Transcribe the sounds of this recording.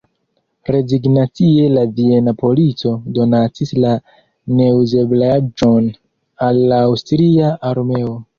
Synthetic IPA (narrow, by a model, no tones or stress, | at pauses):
ɾe̞ziɡnat͡sie̞lavie̞napo̞lit͡so̞do̞natisla | ne̞uze̞blad͡ʒo̞n | alːaːwstɾiaʔaɾme̞o̞